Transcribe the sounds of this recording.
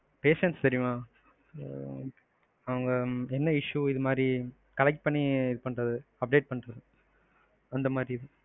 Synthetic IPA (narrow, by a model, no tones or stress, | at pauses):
peːʂɛnst̪ɐɾɪjʊ̃maː | ɐʋɐŋɡɐɛnːɐɪʂuɪðɯmaːd̪ɾi | kɐlɐk̚ʈ̚pɐɳːiɪðɯpɐɳɾɐðɯɐp̚ɖeːʈ̚pɐɳɾɐðɯ | ɐnd̪ɐmaːd̪ɾiɪðɯ